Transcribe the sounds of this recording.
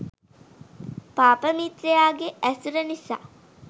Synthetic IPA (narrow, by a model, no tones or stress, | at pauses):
paːpəmit̪ɾejaːɡeʔæsuɾənisa̰ː